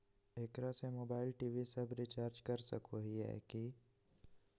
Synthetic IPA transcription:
eːkɾasemoːbaːɪlʈiːʋisɐbɾit͡ʃaːɾd͡ʒkɐɾsɐ̰kʰoɦiɦɛ̰ːki

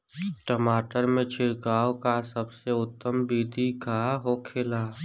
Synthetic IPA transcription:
ʈəmaːʈəɾmẽt͡ʃʰɪɾkaːwkasəbseʊt̪ːəmbiːd̪ʱikaɦokʰɪlaː

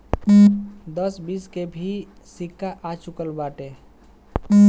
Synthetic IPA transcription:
d̪əsbiskebʱi | sikːaʔat͡ʃukəlbaʈe

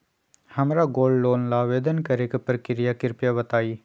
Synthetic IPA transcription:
hɐmɾaɡoːlɖloːnlaːʋeːd̪ənkɐɾekepɾkɪɾɪjakɪɾpjabɐt̪aːiː

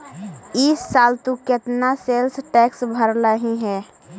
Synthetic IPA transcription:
isːaːlt̪ukɪt̪naselsʈɛːksbʱəɾləɦiɦɛː

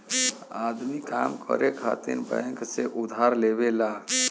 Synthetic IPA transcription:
ad̪mikamkʰə̰ɾekʰa̰t̪iɾbəjŋkseʔud̪ʱɦaɾleβela

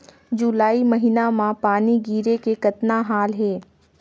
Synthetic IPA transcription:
d͡ʒʊlaːimɐɦinamãpaːniɡiːɾekekɐt̪naɦaːlɦeː

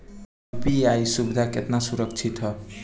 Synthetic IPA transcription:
piajsubid̪ʱaket̪nasuɾʌk̚t͡sʰit̪ʰʌ

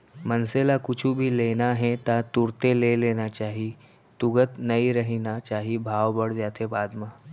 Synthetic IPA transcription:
mənselakʊt͡ʃʰubʱileːnaɦɛt̪at̪uɾt̪eleleːnat͡ʃaːɦi | t̪ʊɡət̪nɐiɾəɦinat͡ʃaːɦibʱaːʋbəɽ̤d͡ʒaːt̪ʰebaːd̪ma

